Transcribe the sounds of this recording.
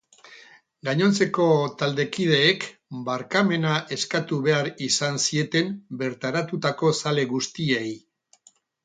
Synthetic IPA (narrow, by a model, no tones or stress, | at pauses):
ɡaɲo̞nt͡se̞ko̞t̪ald̪e̞kið̞e̞ːkbaɾkame̞naʔe̞skat̪uβe̞aɾisansie̞t̪e̞mbe̞ɾt̪aɾat̪ut̪ako̞sale̞ɣust̪iej